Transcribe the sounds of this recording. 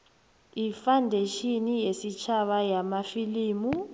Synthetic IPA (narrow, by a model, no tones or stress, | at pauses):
ifandʱeʃinijesit͡ʃʰaɓajamafiliːmu